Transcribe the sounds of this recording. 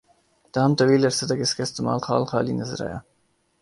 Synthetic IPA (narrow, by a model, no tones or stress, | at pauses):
d̪̥aɦamt̪awilaɾsəd̪akɪskast̪ɪmɑ̰ːlxɑ̰ːlxɑːlinazɾa̰ja̰